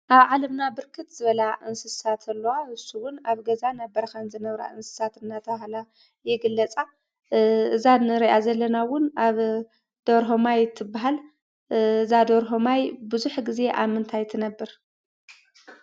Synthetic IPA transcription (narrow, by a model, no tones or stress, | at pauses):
ʔaβʕalɐmnabɨɾkʰɨt̪z̥ɨβɐlaʔɨnsɨsat̪ʰɐlːɐwaɨsːuwʊnaβɡɐzanɐbːɐɾɐkɐnzɨnɐβɾa̰ʔɨnsɨ̥sat̪ɨnːat̪ʰɐβahla | jɛɡɨlːɐt͡sʼa | ɨzanɨɾiʔazɐlːɐnawʊnaβ | d̪̥oɾɦomajt̪ʰɨbːaɦal | ɨzad̪oɾɦomajbɨzuħɡize̞ʔa̰βmɨnt̪ʰajt̪ʰɨnɐbːɨɾ